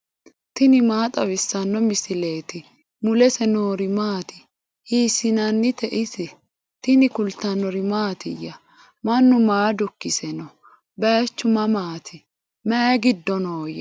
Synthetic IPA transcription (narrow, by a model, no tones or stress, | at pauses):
t̪ɪnɪmaːt̪ʼɐwɪsːɐnːɔmɪsɪle̞ːt̪ɪ | mʊlɛsɛnoːɾɪmaːt̪ɪ̥ | hiːsɪnɐnːɪt̪ɛʔɪsɛ | t̪ɪnɪkʊlt̪ːɐnːɔɾɪmaːt̪ɪjɐ | mɐnːʊmaːd̪ʊkːɪsɛnɔ | bɛt͡ʃːʊmɐmaːt̪ʰɪ | mɛɡɪd̪ːɔnoːjɛ